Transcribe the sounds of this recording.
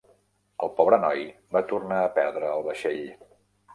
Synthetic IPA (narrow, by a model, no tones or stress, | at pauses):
əlˠpɔβɾənɔjbat̪urnaəpɛɾðɾəːlˠβəʃeʎ